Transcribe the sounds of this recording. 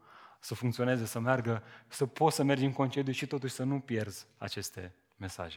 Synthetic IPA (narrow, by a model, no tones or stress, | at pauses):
səfuŋkt̪sio̞ne̞ze̞səmearɡəsəpo̞t̪səme̞rd͡ʒɨŋko̞nt͡ʃe̞d̪juʃit̪o̞t̪uʃʲsənupje̞rz̥a̰t͡ʃe̞st̪e̞ | me̞sa̰ʒe